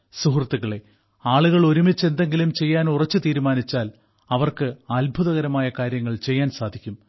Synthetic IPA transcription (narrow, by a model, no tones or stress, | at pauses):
suɦrɐt̪ːuɣɐɭe̞ | aːɭuɣɐɭo̞ɾumit͡ɕːe̞nd̪e̞ŋɡilumt͡ɕe̞jːaːnurɐt͡ɕːɨt̪iːɾumaːnit͡ɕːaːl | ɐʋɐrkɨɐlbʱuðɐɣɐɾɐmaːjɐkaːɾjɐŋːɐɭt͡ɕe̞jːaːnsaːd̪ʱikʲːum